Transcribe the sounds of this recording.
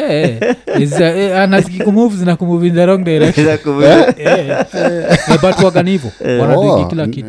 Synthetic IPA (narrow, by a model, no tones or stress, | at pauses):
ɛɛzaanazikikumuvizinakumuvind͡ʒaɾɔŋdɛɾɛ | ɛbatuaɡanivɔwaɾaikiilakitu